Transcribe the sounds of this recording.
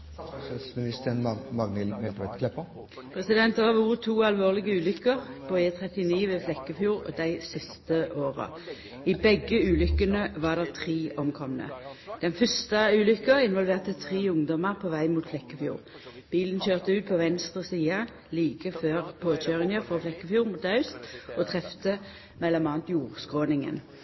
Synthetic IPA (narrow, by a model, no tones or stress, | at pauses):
smɪnɪst̪əənmɑɡnɪlmɛlkʋɛt̪kʰlɛpə | pʰʁɛsɪd̪ɛnt̪d̪əʁɑʋuːʁət̪ʰːuːɑlʋoːʁlɪɡəʉːlʏkəʁpʰoeːt̪ʰʁɛt̪ɪniːʋeːflɛkːəfjuːʁɔ̰d̪æɪsɪst̪əʔoːʁə̰ | ɪbɛɡəʉːlʏkːənəʋɑːʁd̪ɛʁt̪ʰʁiːɔmkʰɔmənə̰d̪̥ɛnfœst̪ɑʉːlʏkːəʁɪnʋɔlʋeːʁt̪ət̪ʰʁiːʊŋd̪ɔməʁpʰɔʋæɪmuːt̪flɛkːəfjṵːʁ | b̥iːlənçøːʁt̪əʉːt̪̚pʰɔʋɛnst̪ʁəsiːɑ | liːkəføːʁpʰoːc͡çøːʁɪŋəfɔflɛkːəfjuːʁmuːt̪ɑʉst̪ɔt̪ʰʁɛft̪ə | mɛlːɔmɑːnt̪juːʁskʁoːnɪŋə̰n